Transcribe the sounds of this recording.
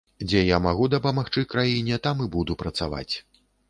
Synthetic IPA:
d͡zʲɛjamaɣud̪ɐpɐmaxt͡ʂɨkɾajinʲɛt̪amɨbud̪upɾɐt̪sava̰t͡sʲ

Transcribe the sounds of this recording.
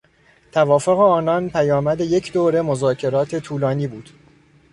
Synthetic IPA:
t̪ʰævɒːfo̞ɣe̞ɒːnɒnpʰæjɒːmæd̪eje̞cʰd̪oːɾe̞mozɒːcʰe̞ɾɒːt̪ʰe̞t̪ʰuːlɒːniːbuːd̪̥

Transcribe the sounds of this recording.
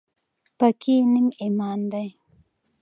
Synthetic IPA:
pakʰinimimɑːnd̪aj

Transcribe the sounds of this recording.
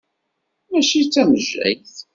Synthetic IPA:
mæʃit͡sːæməʒːæ̰jθ

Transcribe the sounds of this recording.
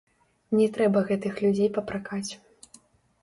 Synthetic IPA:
nʲɛt̪ɾɛbɐɣɛt̪ɨxlʲud͡zʲejpɐpɾakat͡sʲ

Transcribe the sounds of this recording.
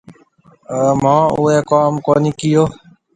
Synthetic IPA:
əːmãːʊːeːkaːmkoːniːkɪjoː

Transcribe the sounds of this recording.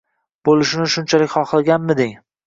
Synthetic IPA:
b̥olɪʃɪnɪʃʊnt͡ʃʰalɪkʲχɒχlaɡʲanmɪd̪ɪŋ

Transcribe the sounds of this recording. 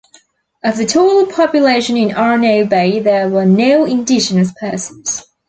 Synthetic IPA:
əvðətʰoːləpʰɒpjəleɪʃə̃nɪ̃nɑɹənoʊbeɪðəwənoʊɪ̃ndɪd͡ʒənəs̬pʰɜˑsə̃nz̥

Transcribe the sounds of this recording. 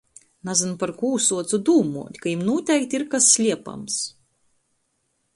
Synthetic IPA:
nazanpaɾkuːsuɔt̪sud̪uːmṵɔt̪ʲkajimnuɔt̪ʲɛjk̚t̪ʲiɾkasːʲlʲiɛpa̰ms

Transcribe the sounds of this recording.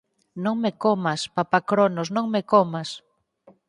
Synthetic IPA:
nõŋmekomaspapakɾonosnõŋmekomas

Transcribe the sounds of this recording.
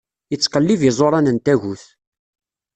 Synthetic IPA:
jət͡sːqəlːivjəzˤoɾˤɑnənt̪æʝuθ

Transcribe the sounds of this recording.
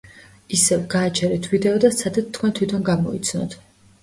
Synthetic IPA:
isɛvɡaːt͡ʃʰɛɾɛt̪ʰvid̪ɛɔd̪atsʰad̪at̪t̪ʰːkwɛnt̪ʰwit̪ʰɔnɡamɔit̪sʰnɔ̰t̪ʰ

